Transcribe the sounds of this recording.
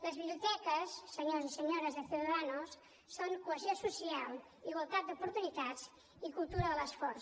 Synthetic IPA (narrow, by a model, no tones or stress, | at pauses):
ləzβiβliut̪ɛkəsːəɲozisəɲoɾəzðəθjuðəðanusː | oŋkuəziosusialˠ | iɣwəlˠt̪at̪̚d̪upuɾt̪unit̪az | ikulˠt̪uɾəðələsfɔɾs